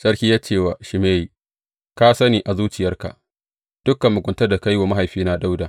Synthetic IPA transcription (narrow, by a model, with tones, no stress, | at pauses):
sʼɐ˦ɽkʲiː˦jaː˦t͡ʃeː˦˨wa˨ʃɪ˨meː˦ji˨ | ka˦sɐ˦niː˨ʔa˨zuː˦t͡ʃɪ˨jɐ˦rka̰˨ʔ | d̥ʊ˦kːɐ˨mːʊ˨ɡʷʊ˨ntɐ˦rda˨ka˦jwaː˨ma˦ɦa˨jɸiː˦na˦da˦wdaː˨